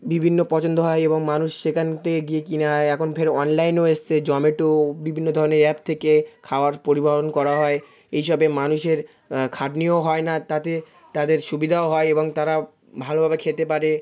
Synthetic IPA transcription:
bibʱinːopɔt͡ɕond̪oɦɔeeboŋmanuʃʃekʰant̪eɡiekineɦɔeɛkʰonfʰeɾɔnlajnoeʃt͡ɕʰed͡ʑɔmeʈobibʱinːod̪ʱɔɾoneɾɛpt̪ʰekekʰaoaɾpoɾibaɦonkɔɾaɦɔe | ejʃɔbemanuʃeɾ | kʰaʈnioɦɔenat̪at̪e | t̪ad̪eɾʃubid̪ʱaoɦɔeeboŋt̪aɾa | bʱalobʱabekʰet̪epaɾe

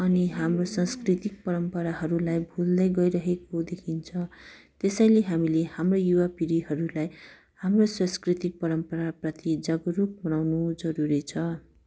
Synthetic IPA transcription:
ʌniɦamrosãskrit̪ik̚pʌɾʌmpʌɾaɦʌɾulajbʱuld̪ʌjɡʌjɾʌɦekod̪ekʰint͡sʰʌ̃ | t̪esʌj̃leɦamilehamrojuwapiɾiɦʌɾulaj | hamroswãskrit̪ik̚pʌɾʌmpʌɾaprʌt̪id͡zʌɡʌɾuk̚bʌnawnud͡zʌɾuɾit͡sʰʌ

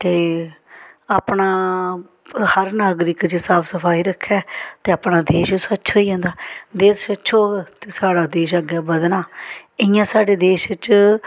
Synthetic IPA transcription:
t̪eː | aːpɳaː | həɾnaːɡɾɪkt͡ʃsaːpʰsəpʰaːiːɾəkʰːɛːt̪eːaːpɳaːd̪eːʃsətːʃʰoːiːõːnd̪aːd̪eːssətːʃʰoːɡt̪eːsaːɽaːd̪eːʃəɡɛːbəd̪naːɪjãːsaːɖeːd̪eːʃt͡ʃ

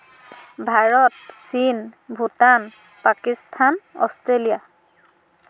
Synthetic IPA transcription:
bʱaɹɔtsinbʱutan | pakistʰanɔ̰stɹelija

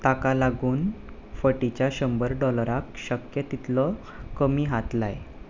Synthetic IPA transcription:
t̪akalaɡuːn | fəʈit͡ɕjaɕəmbəɾɖɔləɾakɕəkjət̪it̪lɔ | kəmiːɦat̪laj

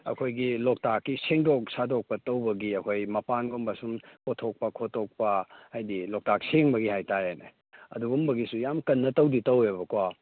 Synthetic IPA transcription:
ɐ̰kʰojɡilok̚takːiseŋdok̚sadok̚pɐtɐwbɐɡiɐkʰojmɐpanɡombɐsumkʰotʰok̚pɐkʰotʰːok̚pɐhajdilok̚takseŋbɐɡihajtaɾenḛ | ɐ̰duɡumbɐɡisujamkɐnːɐtɐwditɐweβɐkwa

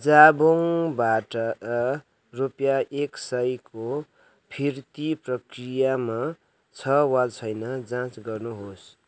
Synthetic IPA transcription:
d͡zaboŋbaʈʌ | rupjaʔeksʌjkʰo | pʰirt̪iprʌkrijama | t͡sʰʌwadt͡sʰʌjnʌd͡zãt͡sɡʌrnuɦos

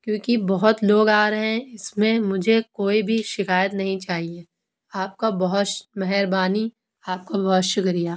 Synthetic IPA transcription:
kjõːkibɔɦʊt̪loːɡaːɾɐɦẽɪsmẽmʊd͡ʒʱekoːibʱiʃɪkaːjət̪nɐɦĩt͡ʃaːɦie | aːp̚kabɔɦʊt̪mɛɦɛɾbaːni | aːp̚kabɐɦʊt̪ʃʊkɾijaː

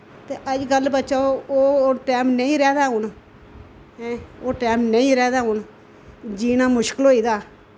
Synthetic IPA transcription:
t̪eːʔəd͡ʒɡəlːbətːʃaːooːʈɛːmnəĩːɾɛːd̪aːʊn | ɛ̃ːoːʈɛːmnəĩːɾɛːd̪aːɦʊn | d͡ʒiːnaːmʊʃkɪlɦoːiːd̪aː

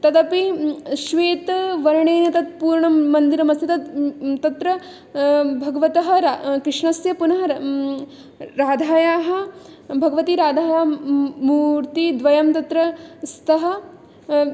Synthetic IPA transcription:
t̪ɐd̪ɐpiʃʋeːt̪ʋɐɾɐɳeːnɐt̪ɐt̪̚puːɾɳɐmːɐnd̪iɾɐmɐst̪ʰit̪ɐt̪ɐt̪ɾɐ | bʱɐɡɐʋɐt̪ɐɦɐ̆ɾakɾɪʂɳɐsjɐpunɐɦɐ | ɾaːd̪ʱaːjaːɦɐ̆ | bʱɐɡɐʋɐt̪iɾaːd̪ʱaːjaːmuːɾt̪id̪ʋɐjɐmt̪ɐt̪ɾɐst̪ɐɦɐ̆

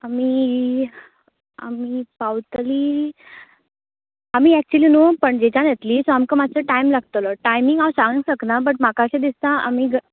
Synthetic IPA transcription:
amiː | a̰miːpawt̪liː | amiːɛk̚t͡ɕuliːnupəɳd͡ʑet͡ɕãnɛt̪liːsamkə̃mat͡səʈajmlaɡ̚t̪əlɔʈajmiŋɡawsãŋɡəŋsəknabəʈ̚makaɕẽd̪ist̪ãamiːɡ

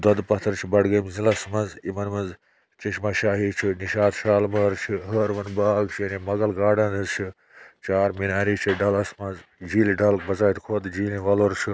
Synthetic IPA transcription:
d̪ɐd̪pɐt̪ʰɐɾt͡ʃʰibɐɽɡɐmzilɐsmɐnzimɐnmɐnz | t͡ʃɐʃmaʃaːɦiːt͡ʃʰiniʃaːd̪ʃaːlmɐːɾt͡ʃʰiɦɐːɾʋɐnbaːɡt͡ʃʰijɐnimɐɡɐlɡaːɖɐnɨzt͡ʃʰi | t͡ʃaːɾminaːɾiːt͡ʃʰiɖɐlɐsmɐnzd͡ʒiːliɖɐlk̚bɐzaːit̪kʰoːd̪d͡ʒiːliʋɐloɾt͡ʃʰi

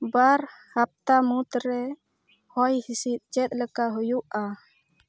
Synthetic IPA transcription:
baɾhap̚t̪amut̪ɾɛ | hɔjhisit̪̚ˀt͡ʃɛt̪̚ləkaɦujuʔa

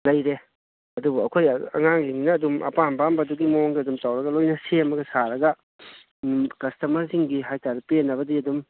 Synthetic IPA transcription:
lɐjɾe | ɐdubuɐ̰kʰojɐ̰ŋaŋliŋinɐːdumʔɐ̰pambambɐduɡimoŋɡiɐdumtawɾɐɡɐlojnɐsemɐɡɐsaɾɐɡɐ | kɐstɐmɐɾziŋɡiɦajtaɾɐpienːɐβɐdiɐdum

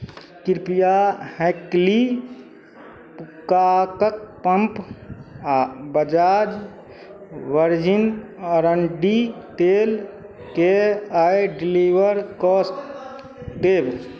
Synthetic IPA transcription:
kiɾpijahɛkli | pukakək̚pəmp | abəd͡ʒad͡ʒ | ʋəɾd͡ʒinəɾəɳɖit̪el | keajɖiliʋəɾkɔsʈ | d̪eb

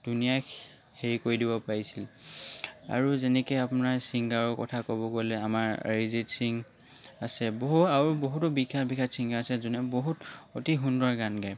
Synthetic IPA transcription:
d̥unija | heɹikoɹidibɔpaɹisil | a̰ɹuzɛnɛkɛapʊnaɹsiŋɡaɹɔkɔ̰tʰakobɔɡolɛamaɹɹizitsiŋ | asɛboɦuaɹuboɦutʊbikʰabikʰasiŋɡaasɛzunɛboɦutotiɦundɔɹɡanɡaj

